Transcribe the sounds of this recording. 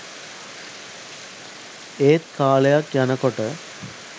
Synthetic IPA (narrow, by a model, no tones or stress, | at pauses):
eːt̪kaːɭɐjakjɐnɐkːoʈːə